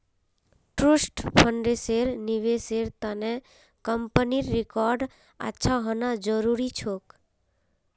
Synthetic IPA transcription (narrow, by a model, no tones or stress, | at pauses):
ʈɾusʈpʰəɳɖeseɾniʋeseɾt̪ane | kəmpəniɾːɪkɔɾɖ | a̰tːʃʰaɦənad͡ʒəɾuɾit͡ʃʰok